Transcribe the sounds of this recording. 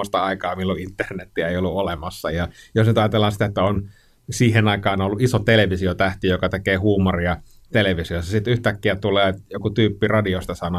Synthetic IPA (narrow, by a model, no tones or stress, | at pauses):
ost̪ɑɑikɑːmilːuint̪ːernet̪ːiæeiolːuolemɑsːɑ̰jɑjosnyt̪ɑjɑt̪elːɑnsi̥t̪æet̪ːæon | siːhenɑikɑːnolːuʔʔisot̪eleʋisiot̪æht̪ijokɑt̪ekeːhuːmoriɑ | t̪eleʋisiosɑsit̪yht̪ækːiæt̪ulˑeːjokut̪yːpːirɑdiost̪ɑsɑno